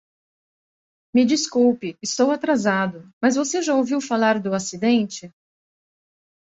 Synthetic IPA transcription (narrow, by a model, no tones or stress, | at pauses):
mɪd͡ʒiskuwpɪɪst̪owat̪ɾazad̪ʊmɐzvoseʒaowviwfalaɾd̪ʊasid̪ẽnt͡ʃɪ